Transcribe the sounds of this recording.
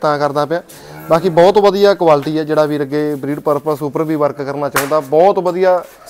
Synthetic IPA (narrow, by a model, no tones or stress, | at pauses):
t̪ãːkəɾd̪aːpjãː | baːkiːbɔːt̪ʋəd̪ijaːkʋaːlʈiːɛːd͡ʒeːɽaːbiːɾəɡeːbɾiːɖpəɾpsuːpəɾbiːʋəɾkkəɾnaːt͡ʃaːũːnd̪aːbɔːt̪ʋəd̪ijaː